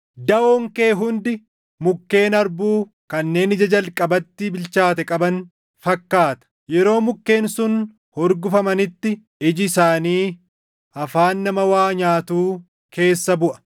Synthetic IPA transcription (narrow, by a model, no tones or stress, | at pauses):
d̪ɐoŋke̞ːɦʊnd̪ɪ | mʊkːe̞ːnɐɾbuː | kɐnːe̞ːnɪd͡ʒɐd͡ʒɐlkʼɐbɐt̪ːɪbɪlt͡ʃaːt̪ɛkʼɐbɐn | fɐkːaːt̪ɐ̥ | jɛɾo̞ːmʊkːe̞ːnsʊn | hɔɾɡʊfɐmɐnɪt̪ːɪ | ɪd͡ʒɪsaːniː | ʔɐfaːnːɐmɐwaːɲaːt̪uː | kʰe̞ːsːɐbʊʔɐ̥